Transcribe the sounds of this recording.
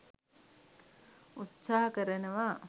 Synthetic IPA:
ut̪saːɦɐkəɾənəʋa

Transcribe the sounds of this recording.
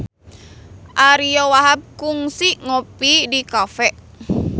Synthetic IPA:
ʔaɾiowaɦap̚kuŋsiʔŋopidikafɛʔ

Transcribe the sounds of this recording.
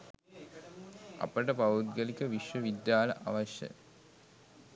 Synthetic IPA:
ɐ̰pɐʈɐpɐud̪̚ɡɐlikɐʋiʂʋɐʋid̪jaːlɐʔɐ̰ʋɐɕjɐ̰

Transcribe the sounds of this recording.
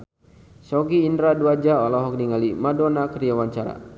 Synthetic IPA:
sɔɡiːndɾaduad͡ʒaɔlɔɦɔk̚niŋalimadɔnakɾiawaɲt͡ʃaɾa̰

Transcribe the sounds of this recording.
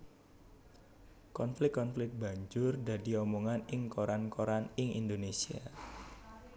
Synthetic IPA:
kɔnflɪkkkɔnflɪkt̪̚ba̤ɲd͡ʒʊrda̤di̤ɔmoŋanɪŋkoɾankoɾanɪŋḭndonesia

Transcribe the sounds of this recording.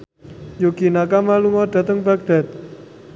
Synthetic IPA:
jukinakamaluŋɔd̪̥a̤t̪əŋba̤ɡ̚d̪̥a̤t̪̚

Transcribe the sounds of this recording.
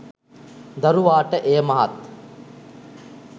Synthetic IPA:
d̪ɐɾuʋaːʈəʔeːmɐɦɐ̰t̪

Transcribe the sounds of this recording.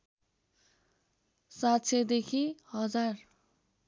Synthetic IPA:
sat̪sʰed̪ekʰihʌd͡zar

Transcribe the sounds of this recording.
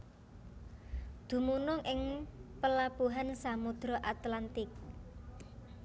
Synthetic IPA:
d̪̥ṳmunʊŋʔɪŋpəlabuɦansamud̪̥ɾɔʔat̪lant̪ɪk̚

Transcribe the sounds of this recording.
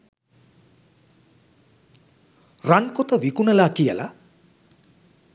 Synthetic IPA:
rankot̪əʋikunəlakijəla

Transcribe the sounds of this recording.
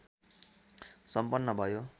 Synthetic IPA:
sʌmpʌnːʌbʱʌjo

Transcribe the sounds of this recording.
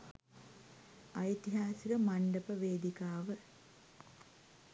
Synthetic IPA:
ɐjt̪iɦaːsikəmɐɳɖəpəʋeːd̪ikaːʋə

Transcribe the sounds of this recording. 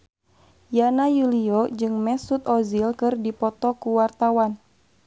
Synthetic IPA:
janajuliɔd͡ʒɨŋmɛsut̪̚ɔzilkɨrdipɔt̪ɔkuwart̪awan

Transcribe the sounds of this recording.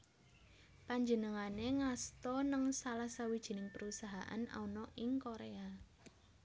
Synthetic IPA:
paɲd͡ʒənəŋaneŋast̪ɔnəŋsalahsawid̥ʒ̥i̤nɪŋpəɾusaɦa̰ʔa̰na̰unɔʔɪŋkoɾea

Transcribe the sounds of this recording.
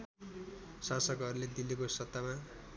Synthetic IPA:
sãsʌkɦʌɾuled̪ilekosʌt̪ːama

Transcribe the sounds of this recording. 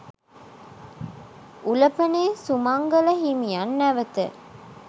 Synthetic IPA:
ʔulɐpɐneːsumɐŋɡɐlɐɦimijanːæʋɐt̪ə̰

